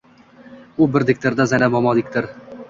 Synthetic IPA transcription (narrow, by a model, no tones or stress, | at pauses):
ʊbɪɾd̪ɪk̚ʲt̪ʰeɾd̪azanamɒmɒd̪ɪkʲt̪ɪɾ